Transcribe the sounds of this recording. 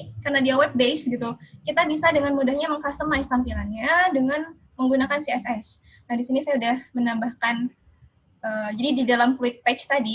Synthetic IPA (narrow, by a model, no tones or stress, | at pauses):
karnadiawat̪̚bejsɡit̪ukit̪abisadəŋanmudahɲaməŋkast̪əmaist̪ampilanɲadəŋan | məŋɡunakansiɛsɛs | nadisinisajaudahmənambahkan | əːd͡ʒadididalamkuɪt̪̚pɛt͡ʃt̪adi